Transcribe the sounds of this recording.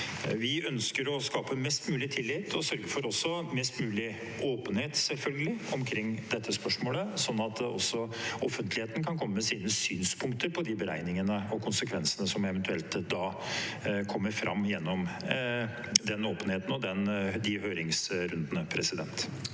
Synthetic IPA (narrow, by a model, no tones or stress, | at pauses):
ʋɪœnskəɾɔskɑːpəmɛst̪mʉːlɪt̪ʰɪlːɪt̪ʰːɔsœɾɡəfɔɾɔsːɔmɛst̪mʉːlɪ | ʔoːpənheːt̪sɛlfœlɡəlɪɔmkʰɾɪŋːd̪ɛt̪ʰːəspœʂmoːləsɔnːɑt̪̚d̪ɔ̰sːɔɔfənt̪ʰlɪheːt̪n̩kʰɑnkʰɔmːəmɛsiːnəsyːnspʰʊŋk̚t̪əɾpʰɔd̪ɪbəɾæ̰ɪnɪŋənəɔkʰʊnsəkʰʋɛnsənəsɔmɛʋɛnt̪ʰʉɛlt̪d̪ɑː | kʰɔmːəɾfɾɑ̰mːjɛnːɔm | d̪ɛnoːpənheːt̪n̩ɔd̪ɛnd̪ɪhøːɾɪŋsɾʉnd̪ənəpʰɾɛsɪd̪ɛ̰nt̪